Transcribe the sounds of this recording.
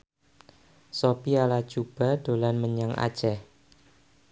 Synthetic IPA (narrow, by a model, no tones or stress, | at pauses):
sopialḁt͡ʃub̥a̤d̥o̤lanməɲaŋʔa̰̥d͡ʒ̥ɛh